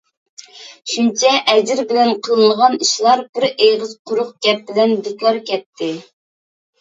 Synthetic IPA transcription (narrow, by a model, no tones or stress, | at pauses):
ʃunt͡ʃʰɛʔɛd͡ʒɪɾbɪlɛnqʰəlˠɨnəʁɑniʃlˠɑɾbɪɾejʁəz̥qʰʊɾʊχɡʲɛp̚bɪlɛnb̪ik̪ʲlˠɑɾkʲʰɛt̪ʰːɪ